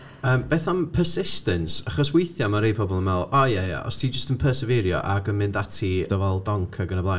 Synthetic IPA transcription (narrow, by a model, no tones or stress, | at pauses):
əːmb̥eːθampʰəsɪstənsaχɔswejθjɔmaɾejpʰɔbɔlˠənmɛlˠɔjɛja̰ʔɔ̰stʰiːd͡ʒəstənpʰəːsəvɛɾjɔ̰ʔaɡənmɪndatʰid̥əvɛlˠdɔŋkʰəɡənəblˠa